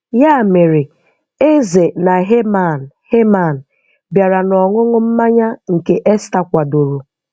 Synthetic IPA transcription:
ja˦˨me˨ɾɪ˨ | e˦ze˨na˨ɦe˦ma˨n˨he˦ma˨n̩˨ | bja˨ɾa˨nɔ˨ŋʊ˦ŋʊ˦m̩˦ma˦ɲa˦ŋ̩˨ke˨ʔe˦sta˦kʷa˨do˨ɾu˨

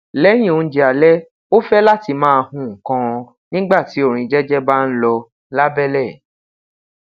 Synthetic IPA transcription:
lɛ˦j̃ĩ˦˨o˨˧n̩˦d͡ʒi˧a˨lɛ˦ | o˦fɛ˦la˦˨ti˧mãː˦˧hũ˦˨kã˧ | nĩ˦ɡ͡ba˦˨ti˨˦o˦˨ɾ̃ĩ˧d͡ʒɛ˦d͡ʒɛ˦ba˦n̩˦lɔ˧ | la˦bɛ˦lɛ˦˨

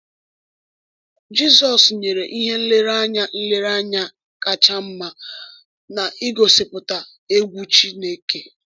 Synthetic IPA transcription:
d͡ʒi˦sɔ˨sɲe˨ɾe˨ʔi˦ɦe˦n̩˦lɪ˦ɾa˦ɲa˦n̩˦le˦ɾa˦ɲa˦ | ka˨t͡ʃa˦m̩˦ma˦ | na˨i˦ɡo˨sɪ˨pʊ˨ta˨ | e˦ɡʷu˦t͡ʃi˦ne˦ke˦

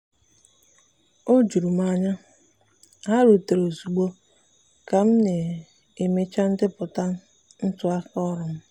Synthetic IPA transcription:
o˦d͡ʒu˨ɾu˨m̩˦a˨ɲa˦ | ɦa˦ɾu˨te˨ɾo˨zu˨ɡ͡bo˦ | ka˨m̩˦ne˨ | e˨me˦t͡ʃa˦n̩˦dɪ˦pʊ˨ta˦n̩˦ | n̩˦tʊ˦a˦kɔ˦ɾʊ˨m̩˦

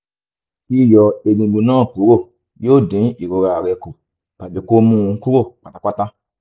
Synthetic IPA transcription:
i˦˨jɔ˧e˧dĩ˧˨ɡ͡bũ˧nãː˦˨ku˨˦ɾo˦˨ | joː˦˨dĩ˨˦i˨ɾo˧ɾa˨ɾɛ˧ku˨ | pa˨d͡ʒe˨ko˦mũ˦˨ũ˧˦ku˦ɾo˦˨k͡pa˨ta˨˧k͡pa˦tã˦

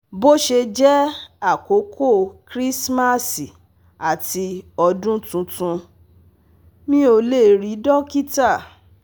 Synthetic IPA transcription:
bo˦ʃe˧d͡ʒɛ˦a˦˨ko˨˦kʰo˦˨kɾi˦sma˦˨si˨ | a˨ti˧ɔ˧dũ˦tũ˧tũ˧ | mĩ˦o˧le˦˨ɾi˨˦dɔ̃˦ki˦ta˦˨

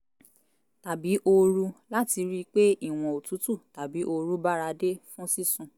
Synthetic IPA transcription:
ta˨bi˨˦ʔo˧ɾu˧la˦ti˧ɾi˦k͡pe˦i˦˨w̃ɔ̃˨o˨tu˨˦tu˦˨ta˨bi˨˦ʔo˧ɾu˦ba˦ɾa˧de˦fũ˦si˦˨sũ˨˧˨

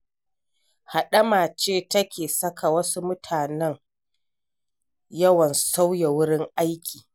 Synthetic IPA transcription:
ha˨ɗɐ˦maː˨t͡ʃeː˦˨tɐ˦kʲʰeː˨sɐ˦kʰa˨wɐ˦su˦mʊ˦tʰaː˨nɛ˦ŋ | jɐ˦wɐ˨nsa˦wja˨wʊ˦ɽɪ˦ŋʔa˦jkʲʰiː˨

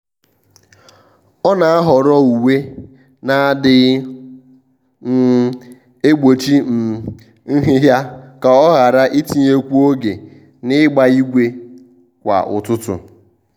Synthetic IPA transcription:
ɔ˦na˨a˦ɦɔ˨ɾɔ˦u˨we˦ | na˨a˦dɪ˦ | e˦ɡ͡bo˨t͡ʃi˦m̩˨ | ŋ̩˦ɦɪ˦ɦja˦ka˨ɔ˦ɣa˨ɾa˦ʔi˦ti˨ɲe˦kʷu˦o˦ɡe˨ | nɪ˦ɡ͡ba˦i˦ɡʷe˦ | kʷa̰˨ʔʊ̰˨tʊ˦tʊ̰˨

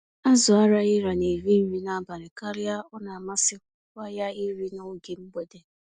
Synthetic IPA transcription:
a˦zʊ˨a˦ɾa˦ɪ˦ɾa˨ne˨vi˦n̩˦wi˦na˦ba˨ɾɪ˨ka˦ɾɪ˦a˦ɔ˦na˨ma˦sɪ˦kʷʊ˦kʷa˦ja˦i˦ɾi˦nʊ˦ɡɪ˨m̩˦ɡ͡be˨de˨

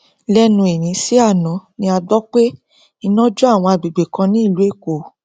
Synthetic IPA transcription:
lɛ˦nũ˧e˨nĩ˨˦si˦a˦˨nɔ̃˨˦nĩ˧a˧dɔ˦k͡pe˦ | i˧nɔ̃˦d͡ʒu˦a˦˨w̃ɔ̃˧a˧bi˨ɡ͡be˨kã˧nĩ˦i˦˨lu˨˦e˦˨ko˨

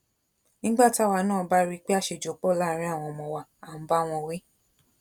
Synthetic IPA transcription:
nĩ˦ɡ͡ba˦˨ta˦˨wa˧˦nãː˦˨˧ba˦ɾi˦k͡pe˦a˦˨ʃe˧˨d͡ʒo˨˦k͡pɔ˦˨la˦˨˦ɾ̃ĩ˦a˦˨w̃ɔ̃˧mɔ̃˧˨wa˨ã˨˦ba˦˨w̃ɔ̃˧wi˦

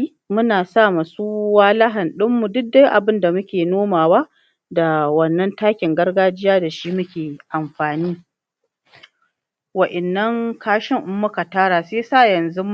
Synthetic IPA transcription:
mʊ˦naː˨sa˦˨ma˨suː˦waː˦lɐ˦ɦɐ˨nɗɪ˦mːu˨dʊ˦k̚da˦jʔa˨bɪ˦nda˨mʊ˦kʲeː˨noː˦maː˨wa˦ | da˨wɐ˨nːɐ˦ntaː˦kʲɪ˨ŋɡɐ˦rɡaː˦d͡ʒɪ˦jaː˦da˨ʃi˦mʊ˦kʲeː˨ʔa˨mɸaː˨niː˦ | wɐ˨ʔɛ˨nːɐ˦ŋkʰaː˦ʃɪ˦ŋʔʊ˦mːʊ˦ka˨taː˦ɽaː˨seː˦saː˦˨jɐ˨nzu˦m

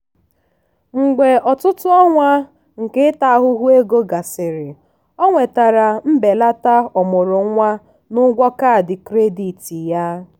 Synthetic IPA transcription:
ŋ͡m̩˨ɡ͡be˨ɔ˨tʊ˦tʊ˦ɔ˦ŋʷa˦ | ŋ̩˨kɪ˦ta˨a˦ɦʊ˦ɦu˦e˦ɡo˦ɡa˨sɪ˨ɾɪ˨ | ɔ˦ŋʷe˨ta˨ɾa˨m̩˦be˨la˦ta˦ɔ˨mʊ˨ɾʊ˨˦ŋʷa˦ | nʊ˦ɡʷɔ˦ka˦˨dɪ˨kɾe˦di˨ti˨ja˦

